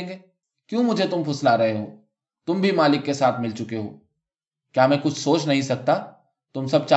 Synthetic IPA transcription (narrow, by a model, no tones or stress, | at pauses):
ŋɡeː | kjũːmʊd͡ʒʱet̪ʊmpʊslaɾɐɦeɦoː | t̪ʊmbʱimaːlɪkːesaːt̪ʰmɪlt͡ʃʊkeɦo̰ː | kjaːmɛ̃kʊt͡ʃʰsoːt͡ʃnɐɦĩsɐk̚t̪a | t̪ʊmsɐb̚t͡ʃa